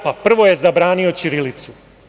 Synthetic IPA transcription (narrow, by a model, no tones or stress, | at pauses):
papr̩ʋo̞je̞zabɾaːnio̞t͡ʃiɾilit̪su